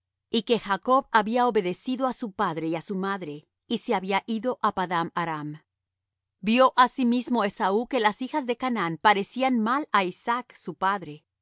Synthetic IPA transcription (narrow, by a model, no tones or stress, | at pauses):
ike̞xako̞βaβiaoβe̞ðe̞siðo̞asupaðɾe̞iasumaðɾe̞ | iseaβiaʔiðo̞ʔapaðamaɾam | bjo̞ʔasimizmo̞e̞sauke̞lasixazðe̞kananpaɾe̞sianmalaisaksupaðɾe̞